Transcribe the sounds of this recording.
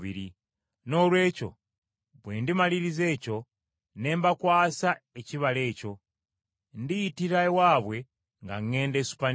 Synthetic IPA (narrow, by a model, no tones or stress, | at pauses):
βḭɾi | no̞lwe̞ːco̞̰ | βweːndimaliɾize̞ːco̞ | ne̞ːmbakwaːsaeciβale̞ːco̞ | ndijitiɾawaːβwe̞ | ŋɡa̰ŋːe̞ːndesu̥pa